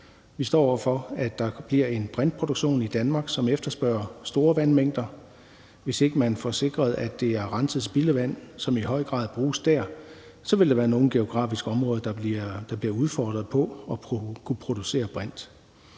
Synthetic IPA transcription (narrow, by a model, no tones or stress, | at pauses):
ʋisd̥ɒ̰ːɒ̰ʊɐfɒ̽æd̥ɑ̈b̥liɐe̝nb̥ʁɛnd̥̚pʰo̝d̥oɡ̥ɕo̝̰ːnid̥ænmɑ̈ːɡ̥sɒ̽mefd̥ɐsb̥ɶɐ̰ɐsd̥o̝ːɐʋænmeŋ̰d̥ɐ | ʋe̝se̝ɡ̥əmænfɒse̝ɡ̥ʁɐðˠæd̥e̝æɐʁɑ̈nsʰəð̩ˠsb̥iləʋæn̰sɒ̽mihɒ̽ɪ̰ɡ̥ʁɑ̰̈ːð̰ˠb̥ʁuːsd̥æɐ̰ | sɒ̽ʋe̝ld̥ɑ̈ʋæːɐno̝ːn̩ɡ̥e̝o̝ɡ̥ʁɑ̰̈ːfisɡ̥əɒ̽mʁɔ̽ːðˠɐd̥d̥ɑ̈b̥liɐuð̞ˠfɒːd̥ʁɐðˠpʰɒ̽ɒkʰupʰʁo̝d̥use̝̰ːɐb̥ʁan̰d̥